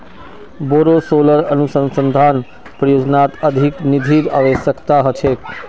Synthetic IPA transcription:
boːɾosoləɾənusə̃nsənd̪ʱan | pɾəjoːd͡ʒnat̪əd̪ʱiknid̪ʱiɾaʋeʃəkt̪aɦət͡ʃʰe

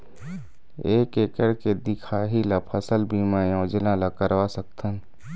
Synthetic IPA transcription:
eːkekəɾked̪ɪkʰaɦilapʰəsəlbʱimajõːd͡ʒəlãlakəɾwasək̚t̪ʰən

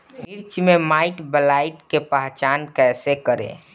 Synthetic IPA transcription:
miɾt͡ʃmemaːɪʈbəlaːiʈkepaɦt͡ʃaːnkɛːsekəɾḛ̃

